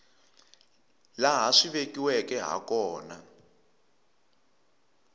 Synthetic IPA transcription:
laɦaʂiβekiwɛkɛɦa̰kɔːna

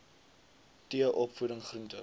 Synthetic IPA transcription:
tiəʔɔpfudəŋχruntə

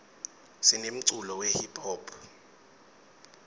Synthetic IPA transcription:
sinem̩ǀulɔwɛhipʰɔːpʰ

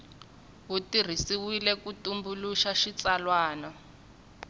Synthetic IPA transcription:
ɦutir̤isiwilɛkutumbuluʃaʃit͡salwaːnɔ

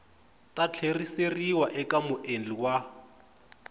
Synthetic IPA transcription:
tat͡ɬʰeriseriwaʔɛkamʊʔend͡ɮiwa

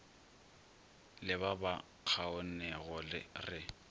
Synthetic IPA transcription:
lɪβaba | q͡χʰaʊnɛɣɔlɪ̰rɪ

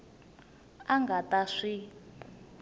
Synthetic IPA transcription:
aŋɡataʂi

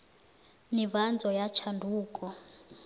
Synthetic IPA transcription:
nivand͡zʱɔjat͡ʃʰandʱuːkʼɔ

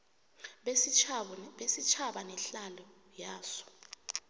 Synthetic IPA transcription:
ɓesit͡ʃʰaɓanɛɬalɔ | jaːsɔ̥

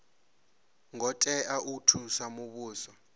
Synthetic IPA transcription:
ŋɔtʼɛaʔutʰusamuɓuːsɔ

